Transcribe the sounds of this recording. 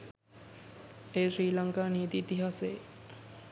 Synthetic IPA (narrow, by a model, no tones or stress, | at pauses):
eːsɾiːlaŋkaːnijət̪iːt̪iɦase